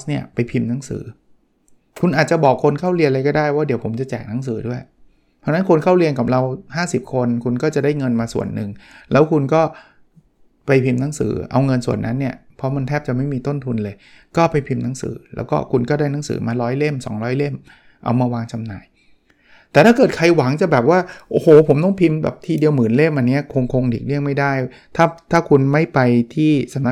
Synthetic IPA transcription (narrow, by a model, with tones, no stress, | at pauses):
ni˥˩ɐpa˧jpʰi˧mna˨˦˥ŋsɯ̰ː˩˦ | kʰu˧nʔaː˨˩t̪̚t͡ɕa˨˩bɔː˨˩kʰːo˧nkʰa˥˩wɾi˧nla˧jk̬ɔː˥˩daː˥˩jwaː˥˩di˩˦pʰo˩˦mt͡ɕa˨˩t͡ɕɛː˨˩k̚na˦˥ŋs̬ɯː˩˦du˥˩əj | t̪ʰa˧˥na˦˥nkʰu˧nkʰa˥˩wli˧ənka˨˩p̚ɾa˧whaː˥˩si˨˩p̚kʰo˧nkʰu˧nkɔː˥˩t͡ɕa˨˩daː˥˩jŋɤ˧nmaː˧sṵ˨˩ənːɯ˨˧ŋlɛː˦˥wkʰu˧nkɔː˥˩ | pa˧jpʰi˧mna˦˥ŋsɯ̰ː˩˦ʔa̰˧wŋɤ˧nsu˨˩ənːʔa˦˥nːi˥˩ɐpʰɔ˦˥ma˧nt̪ʰɛː˥˩p̚t͡ɕa˨˩ma˥˩jmiː˧t̪o˥˩nt̪ʰu˧nlɤː˧j | kɔː˥˩pa˧jpʰi˧mna˨˦˥ŋsɯ̰ː˩˦lɛ̰˦˥wkɔ̰ː˥˩kʰu˧nkɔː˥˩daː˥˩jna˨˦˥ŋsɯ̰ː˩˦maː˧ɾɔː˦˥jle˥˩msɔ̰ː˩˦ŋɾɔː˦˥jle˥˩m | ʔa̰˧wmaː˧waː˧ŋt͡ɕa˧mna̰ː˧˩j | t̪ɛː˨˩t̪ʰaː˥˩kɤː˨˩t̪̚kʰa˧jwa˨˩˦ŋt͡ɕa˨˩bɛː˨˩p̚waː˥˩ʔoː˧˩hoː˨˩pʰo˩˦mt̪ɔ˥˩ŋpʰi˧mbɛ̰ː˨˩p̚t̪ʰiː˧di˧əwmɯː˩˦nle˥˩mʔa˧nːi˦˥ɐkʰo˧ŋkʰo˧ŋdiː˨˩k̚li˥˩əŋma˥˩jda˥˩j | t̪ʰaː˥˩t̪ʰaː˥˩kʰu˧nma˥˩jpa˧jt̪ʰiː˥˩sa˨˦ma˦˥